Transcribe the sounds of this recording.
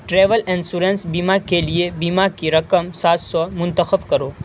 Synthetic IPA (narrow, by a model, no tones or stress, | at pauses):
ʈɾeːʋəlɛ̃nsuɾẽnsbiːmakeliebiːmakiɾɐkəmsaːt̪sɔmʊ̃nt̪əxəbkɐɾoː